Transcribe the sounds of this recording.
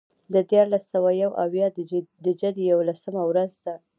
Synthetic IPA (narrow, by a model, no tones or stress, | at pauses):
d̪əd̪jɑɾlasawajawʔawjɑd̪d̪əd͡ʒad̪əjawlasəmawɾazd̪a